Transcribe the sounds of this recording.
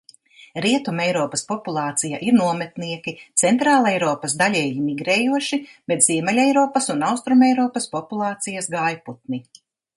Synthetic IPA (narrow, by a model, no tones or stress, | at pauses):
ɾiɛt̪umɛjɾɔːpɐspɔpulˠɑːt̪sijaʔiɾnuɔmɛt̪niɛkʲit̪sɛnt̪ɾaːlˠɛjɾɔːpɐsd̪alʲɛːjimiɡɾɛːjuɔʃib̥ɛt̪z̥iɛmɛlʲɛjɾɔːpɐsunawst̪ɾumɛjɾɔːpɐspɔpulˠɑːt̪sijɐsɡaːjput̪̚ni